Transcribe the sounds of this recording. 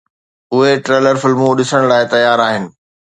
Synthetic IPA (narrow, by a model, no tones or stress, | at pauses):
ʊɦeʈɾeːləɾfɪlmũɗɪsəɽ̃laːɪt̪ɐjaːɾaːɦɪnɪ̆